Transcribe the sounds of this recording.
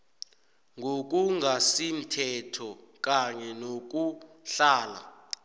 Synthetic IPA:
ŋʱok̬uŋasim̩tʰɛtʰɔk̬ʼaɲɛnok̬u | ɬaːla̰

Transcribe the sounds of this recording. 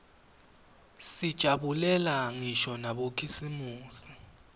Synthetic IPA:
sid̥ʒ̥ʱaɓulɛlaŋiʃɔnaɓokʰisimuːsi̥

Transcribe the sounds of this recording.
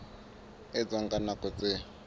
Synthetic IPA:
ɪd͡zɔŋɡanakɔt͡sɪ

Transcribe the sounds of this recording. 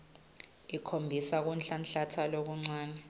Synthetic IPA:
ikʰombʱisak̬unɬanɬatʰalok̬uŋ͡ǀaːnɛ

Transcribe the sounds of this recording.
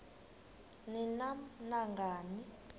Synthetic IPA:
ninam̩naŋɡʱaːni

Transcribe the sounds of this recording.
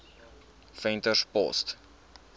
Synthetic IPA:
fɛntəspɔ̰st

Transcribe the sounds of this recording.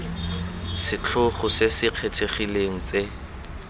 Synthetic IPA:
sɪt͡ɬʰʊχʊsesɪq͡χʰetʰeχileŋ̩t͡se

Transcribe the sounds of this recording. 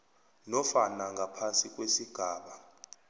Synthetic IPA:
nɔfanaŋɡʱapʰansik̬ʼwesiɡ̥ʱaːɓa

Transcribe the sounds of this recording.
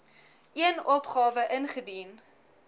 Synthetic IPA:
ʔiənɔpχɑːvəʔənχədin

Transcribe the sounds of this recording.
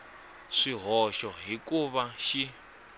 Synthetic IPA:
ʂiɦɔʃɔɦikuβaʃi

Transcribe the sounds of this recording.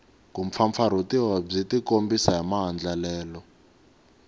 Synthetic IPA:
kump̪fʰaɱfaɾ̤utiwab͡ʐetikombisaɦamaɦand͡ɮalɛːlɔ

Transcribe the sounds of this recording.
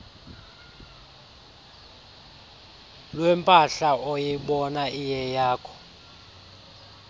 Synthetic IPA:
lwɛmpʼaɬaɔjiɓɔnaijɛjaːkʰɔ̥

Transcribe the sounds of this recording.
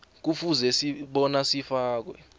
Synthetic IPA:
k̬ufuzɛsiɓɔnasifaːk̬wɛ

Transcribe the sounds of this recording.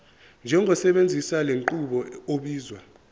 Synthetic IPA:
nd͡ʒʱɛŋɡʱɔsɛɓend͡zʱisaleŋǃuɓɔoɓiːzwa

